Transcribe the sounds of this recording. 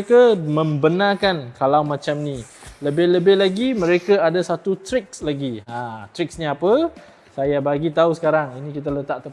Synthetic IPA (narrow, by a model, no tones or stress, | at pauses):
kamə̃mbənakankalawmãt͡ʃamnĩ | ləbɪhləbɪhlaɡimə̃ɾekaadasat̪ut̪ɾɪk̚slaɡiãt̪ɾik̚sɲaapə | sajabaɡit̪ausə̥kaɾaŋinĩkit̪̬alət̪aʔt̪ə